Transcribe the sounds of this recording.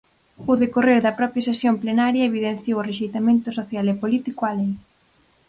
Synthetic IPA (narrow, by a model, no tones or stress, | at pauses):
oðekoreɾðɐpɾɔpɾjɐsesjomplenaɾjɐeβiðenθjowʊreʃ̬ejt̪amẽnt̪ʊsoθjalepolit̪ikoaleŋ